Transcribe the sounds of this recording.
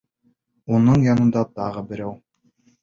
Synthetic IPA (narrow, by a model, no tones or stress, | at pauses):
unɤɴjɒnɤ̆nd̪ɑt̪ɑʁɤbɘ̆ɾæw